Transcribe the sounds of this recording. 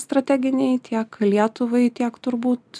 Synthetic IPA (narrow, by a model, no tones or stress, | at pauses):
st̪ɾɐt̪ʲæːɡʲɪnʲɛɪt̪ʲiɛklʲiɛt̪ʊʋɐɪt̪ʲiɛkt̪ʊɾbuːt̪